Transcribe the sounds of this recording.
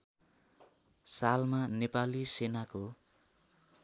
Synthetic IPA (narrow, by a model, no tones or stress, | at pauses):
salmanepalisenako